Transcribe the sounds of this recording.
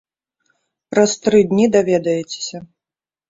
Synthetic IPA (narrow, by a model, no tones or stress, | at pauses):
pɾɐst̪ɾɨd̪ʲnʲid̪avʲɛd̪ɐjɛt͡sʲe̥sʲɐ